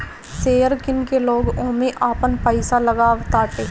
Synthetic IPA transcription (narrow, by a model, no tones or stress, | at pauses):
seːəɾkɪnkeloːɡõːmẽʔaːpənpəɪsalɐɡaːʋt̪aːʈeː